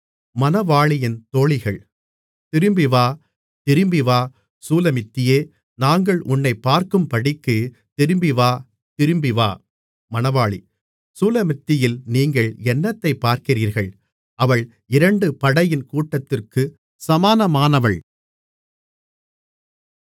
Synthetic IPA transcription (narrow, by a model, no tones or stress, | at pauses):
mɐnɐʋaːɭɪjɪnt̪oːɭɪɣɐɭ | t̪ɪɾɯmbɪʋaː | t̪ɪɾɯmbɪʋaː | suːlɐmɪt̪ːɪjeː | naːŋɡɐɭʔʊnːɐɪpːaːɾkɯmpɐɽɪkːɯ | t̪ɪɾɯmbɪʋaː | t̪ɪɾɯmbɪʋa̰ː | mɐnɐʋaːɭḭ | suːlɐmɪt̪ːɪjɪlniːŋɡɐɭɛnːɐt̪ːɐɪpːaːɾkɪriːɾɣɐɭ | ɐʋɐɭ | ɪɾɐɳɖɯpɐɽɐjɪnkuːʈːɐt̪ːɪrkɯ | sɐmaːnɐmaːnɐʋɐɭ